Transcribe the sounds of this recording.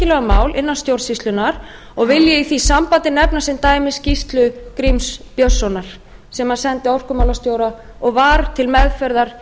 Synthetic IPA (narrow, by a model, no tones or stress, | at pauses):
ɪlɛɣamaːwlʔɪnːanst̪jowɾsist̪lʏnaɾ̥ | ɔɣvɪljɪiθisampaːt̪ɪnɛpnasɪnt̪aːjmɪscist̪lʏkɾimspjosːɔnaɾ̥ | sɛmaðsɛnt̪ɪowr̥kʏmawlast̪joːwɾa | ɔɣvaɾt̪ʰɪlmɛðfœɾðaɾ̥